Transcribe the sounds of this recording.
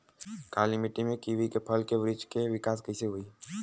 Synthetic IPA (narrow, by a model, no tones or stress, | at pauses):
kaːlimɪʈimẽkiʋikepʰɐlkeʋɾɪd͡ʒkeʋɪkaːskɐɪseɦʊiː